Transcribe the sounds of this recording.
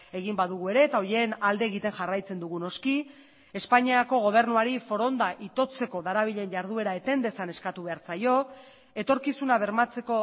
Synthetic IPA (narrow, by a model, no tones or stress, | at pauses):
e̞ɣimbaðuɣ̞ue̞ɾe̞ːt̪ao̞jenald̪e̞ːɣit̪e̞nʝarajt͡se̞nd̪uɣuno̞ski | e̞spaɲiako̞ɣ̞o̞β̞e̞ɾnuaɾifo̞ɾo̞nd̪aʔit̪o̞t͡se̞ko̞ðaɾaβ̞iʎe̞nʝaɾð̞ue̞ɾae̞t̪e̞nd̪e̞sane̞skat̪uβe̞aɾt͡sajo̞ | e̞t̪o̞ɾkisunaβ̞e̞ɾmat͡se̞ko̞